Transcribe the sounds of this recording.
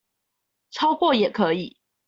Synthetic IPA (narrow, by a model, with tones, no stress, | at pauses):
ʈ͡ʂʰɑ˦ʊkwɔ˥˨jɛ˨˩kʰɤ˧˦i˨˩˦